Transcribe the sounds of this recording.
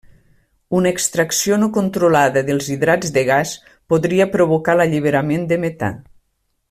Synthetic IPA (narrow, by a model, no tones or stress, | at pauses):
unəekst̪ɾəksionokont̪ɾolaðəðelˠziðɾad͡zðeɣas | poðɾiəpɾoβokaləʎiβeɾamend̪emet̪a̰